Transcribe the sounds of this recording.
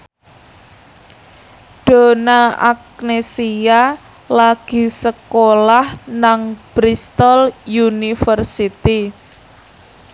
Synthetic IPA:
ɖ̪̥o̤naa̰k̚nesia | laɡ̥i̤səkolahnaŋb̥ɾist̪ɔljunifərsit̪i

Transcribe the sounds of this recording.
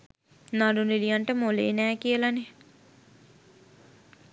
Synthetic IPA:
naɾunilijaɳʈəmolḛːnɛːkiəlane

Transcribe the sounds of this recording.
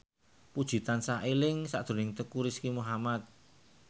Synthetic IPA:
pud̥ʒ̥i̤t̪ansaʔelɪŋsa̰ʔd̪̥o̤nɪŋt̪əkuɾiskimuɦamat̪̚

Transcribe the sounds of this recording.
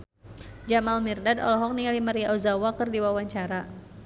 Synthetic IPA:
d͡ʒamalmirdadɔ̰lɔɦɔk̚niŋalimaɾiaʔuzawakɨrdiwawaɲt͡ʃaɾa

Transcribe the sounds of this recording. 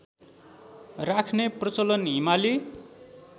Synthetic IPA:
rakʰneprʌt͡sʌlʌnɦimali

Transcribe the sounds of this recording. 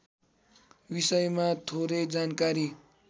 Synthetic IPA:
bisʌjmat̪ʰoɾʌjd͡zankaɾi

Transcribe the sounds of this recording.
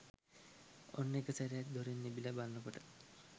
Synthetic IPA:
onːekəsaɾijak̚d̪ʱoɾinːebilabalnokoʈə̥

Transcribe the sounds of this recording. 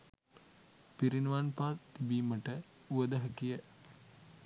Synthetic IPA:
piɾinʋanpaːt̪ibiːməʈə | uəd̪əɦəkijə

